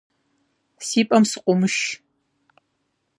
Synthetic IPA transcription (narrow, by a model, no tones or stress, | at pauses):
siːpʼɐmsɨ̥qʷʊmɨʃ